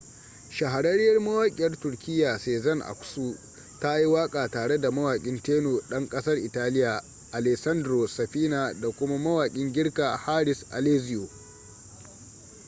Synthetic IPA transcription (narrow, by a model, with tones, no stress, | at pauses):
ʃɐ˨ɦa˨ɽɐ˦ɽɪ˦jɐ˦rmɐ˦waː˦kʲʼɪ˨jɐ˦rtʊ˨rkʲɪ˦jːaː˨seː˨zɐ˦nʔa̰˨kʷsuː˦ | ta˦ji˦waː˦kʼaː˨taː˨ɽe˦da˨mɐ˦waː˨kʲʼɪ˦nteː˦no˨ɗɐ˦ŋkʼɐ˦sɐ˦rʔɪ˨taː˦lɪ˦jaː˨ | ʔa˨lɛ˨ksɐ˦ndɾo˨sɐ˨ɸiː˦naː˨da˨kʷʊ˦ma˦mɐ˦waː˨kʲʼɪ˦ŋɡʲɪ˦ɽkaː˨haː˦ɽɪ˨sʔa̰˨leː˦zɪ˦joː˨